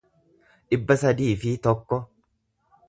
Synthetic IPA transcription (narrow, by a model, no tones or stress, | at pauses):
ᶑɪbːɐsɐd̪iːfɪt̪ɔkːɔ